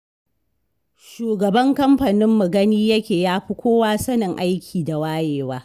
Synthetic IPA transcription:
ʃuː˨ɡɐ˨bɐ˦ŋkɐ˦mɸɐ˨nɪ˦mːʊ˨ɡɐ˦niː˦jɐ˦kʲeː˨jaː˦ɸi˦kʷoː˦waː˦sɐ˦nɪ˨ŋʔa˦jkʲʰiː˨da˨waː˦jeː˨waː˦

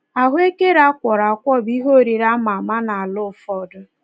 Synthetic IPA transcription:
a˨ɦʊ˦e˦ke˦ɾa˦kʷɔ˨ɾa˨kʷɔ˦˨bi˦ɦo˦˨ɾi˨ɾa˦ma˨ma˦na˨a˨lʊ˦˨fɔ˦dʊ˦

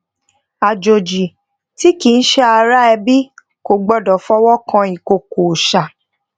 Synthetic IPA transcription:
a˨d͡ʒo˨d͡ʒi˨ | ti˦ki˨n̩˦ʃɛ˦a˧ɾa˦ɛ˧bi˦ | ko˨ɡ͡bɔ˦˨dɔ˨fɔ˦wɔ˦kã˧i˨ko˨ko˨ʃa˨

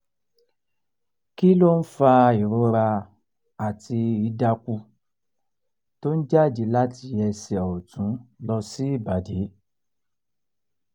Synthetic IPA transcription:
ki˦lo˦n̩˦fa˧i˨ɾo˧ɾa˧ | a˨ti˧i˨˦da˧ku˧ | to˦n̩˦d͡ʒa˦˨d͡ʒi˧la˦ti˧ɛ˧sɛ˨ɔ˨tũ˨˦lɔ˧si˦i˦˨ba˨de˨˦

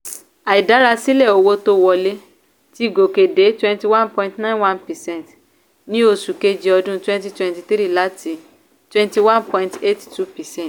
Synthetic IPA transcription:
a˨i˨da˨˦ɾa˧si˦lɛ˦˨o˧wo˧to˧˦wɔ˧le˦ | ti˦˨ɡo˨ke˨de˨˦twɛ̃˧nti˧wã˦npɔ̃˧ĩntnã˦wã˦npɛ˨sɛ̃˦nt | nĩ˦o˧˨su˨ke˧d͡ʒi˧ɔ˧dũ˦twɛ̃˦nti˧twɛ̃˧nti˧tɾi˦˨la˨˦ti˨˧ | twɛ̃˧nti˧wã˦npɔ̃˧ĩ˧nte˦ti̥tu˦pɛ˨sɛ̃˦˨t

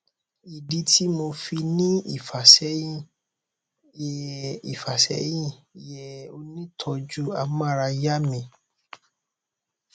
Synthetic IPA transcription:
i˨di˨˦tʰi˦mo˧fi˧nĩ˦ḭ˨fa˨sɛ˨˦ĩ˦ | ɛ˨ḭ˨fa˨sɛ̰˨˦jĩ˦˨jɛ˨o˧nĩ˦tʰɔ˧d͡ʒu˦a˧mã˦˨ɾa˧ja˦mĩ˧

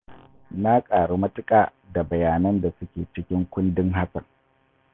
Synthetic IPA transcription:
na˦kʼaː˨ɽu˦mɐ˦tʊ˦kʼaː˨ | da˨bɐ˨jaː˨nɐ˦nda˨sʊ˦kʲeː˨t͡ʃɪ˦kʲɪ˦ŋkʷʊ˦ndɪ˦ŋɦa˦sɐ˨ŋ

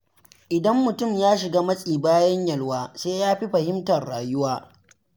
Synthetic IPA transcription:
ʔɪ˨dɐ˦mːʊ˨tʊ˦˨mjaː˦ʃɪ˨ɡaː˦mɐ˦sʼiː˨baː˦jɐ˦ɲjɐ˨lwaː˨seː˦jaː˦ɸi˦ɸɐ˨hɪ˦mtɐ˨rɽaː˨jʊ˦waː˦

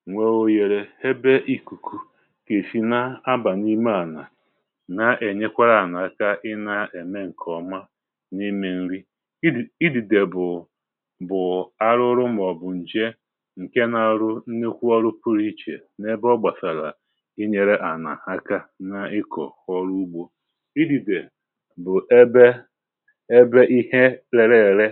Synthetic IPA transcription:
ŋʷe˨o˨je˨ɾe˨he˦be˦ʔi˦ku˨kʰu˨ | ke˨fi˨na˦a˦ba˨ni˦me˦a˨na˨ | na˨ʔe˨ɲe˦kʷa˦ɾa˨na˨a˦ka˦ʔɪ˦na˨e˨me˦ŋ̩˨kʰɔ˨ma˦ | ni˦me˦n̩˦ɾi˦˨ | i˦di˨de˨bʊ˨ | bʊ˨a˦ɾʊ˦ɾʊ˦m˦˨ɔ˨bʊ˨n̩˨d͡ʒe˦ | ŋ̩˨ke˦na˨ɾʊ˦n̩˦ne˦kʷu˦ɔ˦ɾʊ˦pu˦ɾi˦t͡ʃḛ˨ | ne˦bɔ˦ɡ͡ba˨sa˨la˨ | ɪ˦ɲe˨ɾe˦ʔa˨na̰˨a˦ka˦na˨ɪ˦kʰɔ̰˨xɔ˦ɾu˦u˦ɡ͡bo˦ | i˦di˨de˨ | bʊ˨˦be˦ | e˦be˦ʔi˦ɦe˦le˨ɾe˦˨ɾe˦

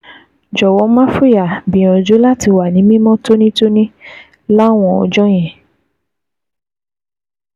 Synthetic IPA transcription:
d͡ʒɔ˨wɔ˨˦mã˦fu˦ja˨bĩ˨ɔ̃˨d͡ʒo˨˦la˦ti˧wa˨nĩ˨˦mĩ˦mɔ̃˦to˦nĩ˦to˦nĩ˦ | la˦˨w̃ɔ̃˧ɔ̰˧d͡ʒɔ̃˦j̃ɛ̃˨

